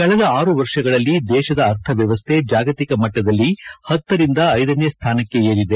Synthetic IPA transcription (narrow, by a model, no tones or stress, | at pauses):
kɐɭɛd̪ɐaːɾuʋɐɾʂɐɡɐɭɐlːid̪ɛːʃɐd̪ɐːɾt̪ʰɐʋjɐʋɐst̪ʰe̞d͡ʒaːɡɐt̪ikɐmɐʈːɐd̪ɐlːihɐt̪ːɐɾind̪ɐːjd̪ɐneːst̪ʰaːnɐkːe̞eːɾid̪e̞